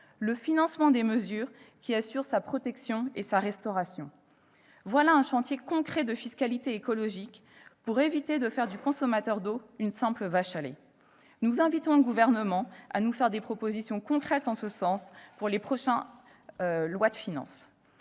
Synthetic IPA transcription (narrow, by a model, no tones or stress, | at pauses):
ləfinɑ̃smɑ̃d̪eməzyːʁkʲiasyʁsapχɔt̪ɛksjɔ̃esaʁɛst̪ɔʁasjɔ̰̃ | vwalaɛ̃ʃɑ̃t̪jekɔ̃kχɛd̪əfiskalit̪eekɔlɔʒik | puʁevit̪ed̪əfɛʁd̪ykɔ̃sɔmat̪œʁd̪oynsɛ̃pləvaʃalḛ | nuzɛ̃vit̪ɔ̃ɡuvɛʁnəmɑ̃a̰nufɛʁd̪epχɔpozisjɔ̃kɔ̃kχɛt̪ɑ̃səsɑ̃spuʁlepχɔʃɛ̃ | lwad̪əfinɑ̰̃s